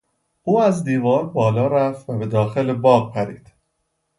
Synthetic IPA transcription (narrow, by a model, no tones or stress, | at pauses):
ʔuːæzd̪iːvɒːɾbɒːlɒːɾæft̪væbe̞d̪ɒːxe̞lebɒːɢpʰæɾiːd̪̥